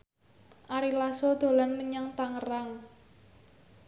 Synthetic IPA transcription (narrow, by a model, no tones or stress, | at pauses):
ʔaɾilasod̪̥o̤lanməɲaŋt̪aŋəraŋ